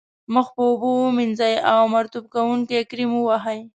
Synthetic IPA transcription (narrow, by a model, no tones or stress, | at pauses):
məxpəʊbominzajawmaɾt̪ub̚kawuŋkekɾimuwaɦaj